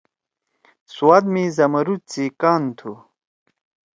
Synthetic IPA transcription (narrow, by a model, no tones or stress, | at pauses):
suwaːd̪mizɐmɐɾut͡sikaːnt̪ʰu